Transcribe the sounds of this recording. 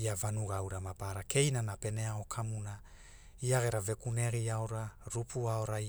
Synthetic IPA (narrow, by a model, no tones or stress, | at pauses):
iavanuɡawɾamapaɾake̞jnanape̞neao̞kʰamuna | iaɡe̞ɾave̞kuneɡiaoɾaɾupuaoɾa